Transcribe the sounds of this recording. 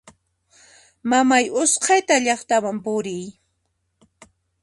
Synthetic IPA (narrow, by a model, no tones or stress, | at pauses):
mamajʊsqʰɑjt̪aʎɑχt̪awampʊɾɪj